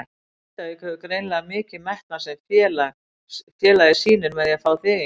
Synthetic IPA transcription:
t̪aɪkhœːvʏkɾejnlaɣamɪːcɪðmɛht̪nasɛmθjɛːla | fjɛːlaðɪsiːnʏɾmɛðjɛfaːwθɪːɣ

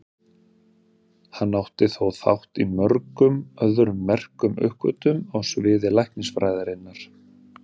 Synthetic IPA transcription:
hanːawht̪ɪθowθa̰wht̪imœɾkʏmœðʏɾʏmːɛr̥kʏmʏ̰hkvœ̰t̪ʏmawsvɪːðɪlajhk̪nɪŋsfɾaːjðaɾɪnːaɾ̥

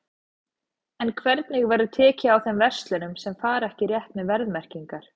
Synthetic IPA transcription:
ɛnkʰvɛɾt̪nɪɣvajɾðʏt̪ʰɛːcɪawθɛmvɛr̥st̪lɛnʏmsɛmfaːɾɛhcɪrjɛht̪mɛðvɛɾðmɛr̥ciŋkaɾ̥

